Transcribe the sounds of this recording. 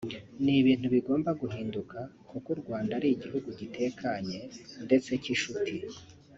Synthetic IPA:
niβiːn̥huβiɡo̞ːmbaɡuɦiːndukʰa | kukuɾɡwaːndaɾiːɟiɦuɡuɟitʰe̞kʰaɲe̞nde̞t͡se̞ciʃutʰi

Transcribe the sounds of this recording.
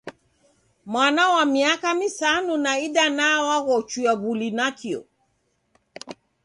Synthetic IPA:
mwanawamiakamisanunaiɗanawaɣɔt͡ʃujaɣulinakiɔ̰

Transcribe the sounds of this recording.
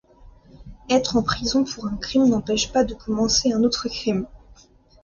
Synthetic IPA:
ɛt̪χɑ̃pχizɔ̃pʰuʁɛ̃kχimnɑ̃pɛʃpad̪əkɔmɑ̃seɛ̃not̪χəkχim

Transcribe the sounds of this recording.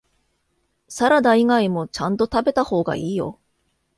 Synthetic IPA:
saɾad̪aiɡaimo̞t͡ɕãnt̪o̞t̪abe̞t̪aho̞ːɡa̰iːjo̞̰

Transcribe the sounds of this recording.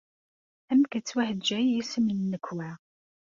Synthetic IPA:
æmkæt͡sːwæhədd͡ʒæjisəmənːəkːwæ

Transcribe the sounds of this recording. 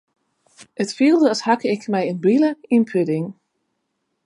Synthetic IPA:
ətfilˠdəɔshakəɪkmɛjənbiləinpʰødɪŋ

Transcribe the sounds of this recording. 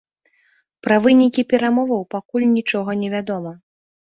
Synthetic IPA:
pɾɐvɨnʲikʲipʲɛɾamɔvɐwpakulʲnʲit͡ʂɔɣɐnʲɛvʲad̪ɔmɐ

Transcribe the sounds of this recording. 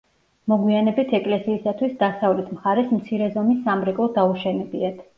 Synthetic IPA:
mɔɡwianɛbit̪ʰɛkʼlɛsiːsat̪ʰwisd̪asavlɛt̪ʰmχaɾɛsmt̪sʰiɾɛzɔmisːamɾɛkʼɔd̪auʃɛnɛbiat̪ʰ

